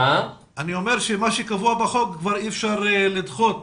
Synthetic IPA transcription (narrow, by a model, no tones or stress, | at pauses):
a | aniomeʁʃemaʃekavuabaχoɡkvaʁiɛfʃaʁelid̪χot̪